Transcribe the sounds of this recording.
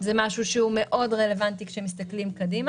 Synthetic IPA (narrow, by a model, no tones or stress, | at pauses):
zemaʃuʃeume̞ʔʔo̞dʁelevant̪ikʃemist̪aklimkadima